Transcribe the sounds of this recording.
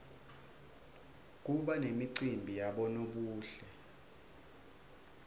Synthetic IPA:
k̬uɓanemiǀimbʱijaɓɔnoɓuːɬɛ

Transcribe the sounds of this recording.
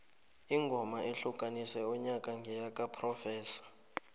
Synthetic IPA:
iŋɡʱɔmaʔeɬukʼanisɛɔɲakʼaŋɡʱɛjakʼapʰrɔfɛːsḁ

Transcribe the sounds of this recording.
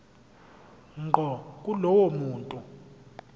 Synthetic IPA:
ŋ͡ǃʱɔk̬ʼulɔwomuːntʼu

